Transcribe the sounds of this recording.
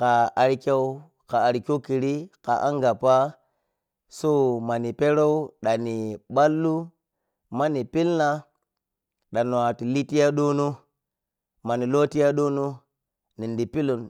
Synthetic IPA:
ka˨a˨ɾi˦ke˦w | ka˨a˨ɾi˨kʲo˦ki˨ɾi˦ka̰˨ʔa̰˦ŋɡa˨pa˦ | so˦ma˨ni˨pe˦ɾo˦u˦ɗa˨ni˨ɓa˦lːu˦ | ma˦ni˨pi˦lna˦ | ɗa˨n˨a˨ti˨li˦ti˦ja˦ɗo˦nu˦ | ma˨ni˨lo˦ti˦ja˦ɗo˦nu˦ | ni˨ndi˨pi˦lu˨n

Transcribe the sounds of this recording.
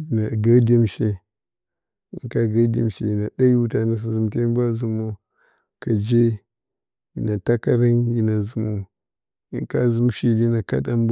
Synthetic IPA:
ji˨na˨ɡa˦de˦mʃe˦ | i˨˦ŋka˦ɡa˦dḛ˨mʃe˨ji˨na˨da˦ji˦u˦ta˨na˨s̬i˨zu˨m˨te˦ba˦zu˨mo˦ | ka˨d͡ʒe˦ | ji˨na˨ta˦ka˦ɾa˦nji˨na˨zu˨mu˦ | i˦ka˦zu˨˦m˦ʃi˦˨di˦na˨ka̰˦ɗa˦m˦b

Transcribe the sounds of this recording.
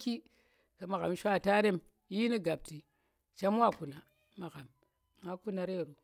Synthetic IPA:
ki˦ | ka˨ma˨ɣa˨m˦ʃʷa˦˨ta˦ɾe˦m | ji˦ni˦ɡa˨b̚ti˨ | t͡ʃa˦m˦wa˦˨ku˨na˨ | ma˨ɣa˨m | ma˦ku˦na˨ɾe˦˨ɾu˨

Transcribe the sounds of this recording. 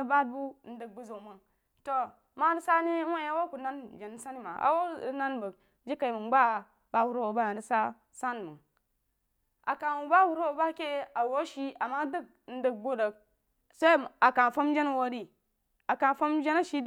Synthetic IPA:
ba˦d̚bu˦n̩˦də˨k̚bu˦zo˨mə˨ŋ | to˨ | ma˦də˦sa˦ni˦wa˦˨ja˦wo˦ku˨na˦nd͡ʒe˨n˦sa˦ni˦ma˨a̰˨wo˦˨˦na˦nbə˨k̚ | d͡ʒi˦ka˨i˨mə˨ɡ͡ba˦ | ba˨hu˨ɾo˦wo˨ba˦a˨də˦sa˦ | sa˦n˨mə˨ŋ | a̰˨ka˨wu˨ba˦hu˨ɾo˦wo˨ba˦ke˦a˨wo˦ʃi˦a˨ma˦də˦k̚ | n̩˦də˨k̚ɡo˦də˨k̚ | sa˦˨a˨ka˨fo˦m˦d͡ʒe˦n˦wo˦ɾi˦ | a˨ka˨fo˦md͡ʒe˦na˦ʃi˦d

